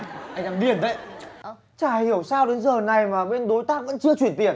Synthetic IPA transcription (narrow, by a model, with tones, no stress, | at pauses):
ʔa˧jŋlaː˧mɗi˧˩ənzə̰˧˨jʔə˨˧˩ | t͡ɕaː˧˩hi˧˩əwsaː˧wɗe˨˦nzəː˨˩na˨˩jmaː˨˩ɓe˧nɗo˨˦jt̪aː˦˥k̚və̰˧˥nt͡ɕɨ˧ət͡ɕwənt̪ḭ˧˩ən